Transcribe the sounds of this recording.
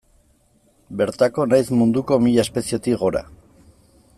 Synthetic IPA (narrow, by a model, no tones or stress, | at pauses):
be̞ɾt̪ako̞najzmund̪uko̞miʎaespe̞sie̞t̪iɣo̞ɾa̰